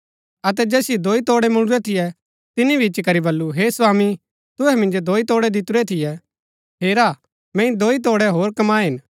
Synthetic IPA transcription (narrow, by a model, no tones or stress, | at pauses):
ɐt̪̬ɛd͡ʒɛːsɪjɛd̪oːit̪oːɽɛmʊ̃ɽ̃ʊɾɛt̪ʰɪjɛ | t̪ɪnibʱit͡ʃkɐɾibɐlːuɦeːsʋaːmi | t̪ʊɦɛmɪ̃nd͡ʒod̪oːit̪oːɽɛd̪ɪt̪ʊɾɛt̪ʰɪjɛ | ɦeːɾa | mɛ̃ːĩd̪oːit̪̬oːɽɛɦoːɾkɐmaːɦɪn